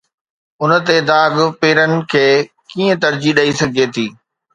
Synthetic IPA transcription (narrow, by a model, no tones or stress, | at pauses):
ʊnə̆t̪ed̪aːɡpeːɾənɪ̆kʰeː | kiːə̃t̪ɐɾd͡ʑiɗɐisɐɡʱet̪ʰiː